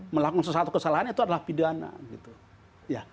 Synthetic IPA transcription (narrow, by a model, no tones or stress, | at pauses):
məlakuŋsəs̬at̪u̥kəsalaɦanit̪uadalahpidana̰ɡit̪u | ja